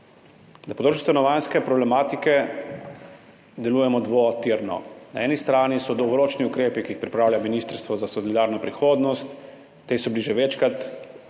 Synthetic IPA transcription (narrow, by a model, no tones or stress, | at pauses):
d̪apɔd̪ot͡ʃist̪anɔʋanskɛpɾɔblɛmaːt̪ikɛ | d̪ɛluːjɛmɔd̪ʋot̪iɾnɔ̰naɛːnist̪ɾaːnisɔd̪owɡɔɾoːt͡ʃniukɾeːpikiːxpɾipɾaːwlʲjaminist̪əɾst̪ʋɔzasɔlid̪aːɾnɔpɾixoːd̪nɔst̪ː | esɔbliʒɛʋɛt͡ʃkat̪